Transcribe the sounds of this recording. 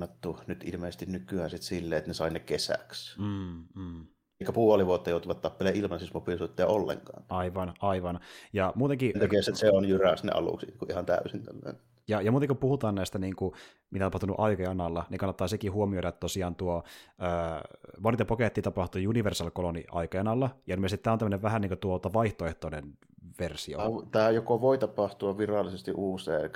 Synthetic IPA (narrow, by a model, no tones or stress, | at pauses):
ɑt̪ːunyt̪ʔilmeˑːsest̪innykˑyæːnsit̪silːeːet̪ːnesɑˑinekesæ̰ksm̩ː | ikːæpuoliʋuot̪ːɑjoˑut̪uʋɑt̪t̪ɑpːeleːʔʔilmɑnsismopisuit̪ːeɑolːḛŋkɑ̰ːnɑiʋɑnʔɑiʋɑnjɑmuːt̪eŋkint̪ækieset̪seonjyræst̪nḛʔɑ̰lṵksikuʔihɑnt̪æ̰ysint̪æ̰lːæ̰n | jɑjɑmuːt̪eŋkupuhut̪ɑːnnæist̪æniːŋku | mit̪æt̪ɑpɑht̪unṵʔɑikɑjɑnɑlːɑniŋkɑnːɑt̪ːɑːsekihuomioiɾɑet̪t̪osiɑːnt̪uoəːʋonit̪ɑpoket̪ːiːt̪ɑpɑht̪ujuniʋersɑlkolonḭʔɑ̰ikɑjɑnɑlːɑjɑmiest̪it̪æːont̪mːəneʋʋæɦæniːŋkot̪uot̪ɑʋɑiht̪oeht̪onen | ʋersio̰t̪æːjokoʋoit̪ɑpɑht̪uɑʋirɑlːˑisest̪iʔuːsˑḛːk